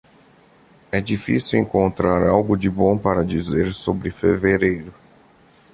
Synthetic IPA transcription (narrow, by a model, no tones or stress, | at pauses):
ɛd͡ʒifisiwẽŋkõnt̪ɾaɾawɡʊd͡ʒɪbõpaɾɐd͡ʒizeɾsobɾɪfeveɾejɾʊ